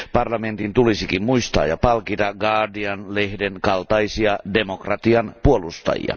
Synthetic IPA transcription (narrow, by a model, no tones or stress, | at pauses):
pɑrlɑment̪int̪ulisikimmuist̪ɑ̰ːjɑpɑlkit̪ɑɡɑːdiɑnlehdeŋkɑlt̪ɑisiɑdemokrɑt̪iɑnpuolust̪ɑ̰jḭɑ̰